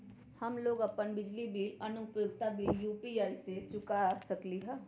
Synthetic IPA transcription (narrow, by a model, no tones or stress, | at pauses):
hɐmloːɡɐpːənbɪd͡ʒlibiːɾɐnʊpjʊɡ̚t̪abʱijuːpiaːiset͡ʃʊkasɐkliɦɛː